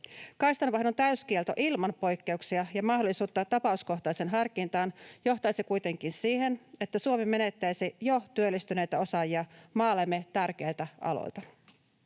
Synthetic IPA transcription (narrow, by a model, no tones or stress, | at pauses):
kɑjst̪ɑnʋɑhnont̪æyskielt̪o̞̰ʔilmɑnpo̞jkːe̞uksiɑjɑmɑɦdolːˑisuːt̪ːɑt̪ɑpɑusko̞ht̪ɑjsenɦɑrkint̪ɑːnjo̞ht̪ɑjsikujt̪e̞ŋkinsiːhe̞ne̞t̪ːæsuomemːe̞ne̞t̪ːæjsijo̞t̪yølːist̪yne̞jt̪æo̞sɑjiɑmɑːlemːe̞t̪ærk̟e̞ːlt̪æʔɑ̰lo̰jlt̪ɑ